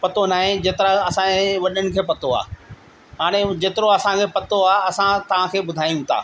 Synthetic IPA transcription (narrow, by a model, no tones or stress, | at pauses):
pɐt̪onaːɦẽd͡ʑeːt̪ɪɾaɐsãʋɐɗəɽ̃ɪ̆kʰeːpɐt̪oa̰ː | ɦaːɽ̃ed͡ʑeːt̪ɪɾoɐsãkʰeːpɐt̪oaːɐsãt̪ɐʋ̤ãkʰeːbʊd̪ʱaːijũt̪ʰa̰ː